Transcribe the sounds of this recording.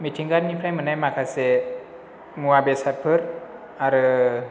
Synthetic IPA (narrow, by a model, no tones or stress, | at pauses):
mit̪ʰiŋɡat̚nipʰɾamɯnajmakʰase | ŋuabesat̚pʰɯɾ | aɾɯ